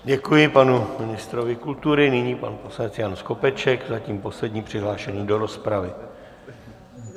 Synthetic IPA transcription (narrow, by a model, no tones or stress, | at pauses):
ɟɛkujɪpanumɪnɪst̪ɾo̞vɪkult̪uɾɪnɪɲiːpanpo̞slanɛt͡sjansko̞pɛt͡ʃɛkzaciːmpo̞slɛdɲiːpr̝̥ɪɦlaːʃɛɲiːdo̞ɾo̞spɾavɪ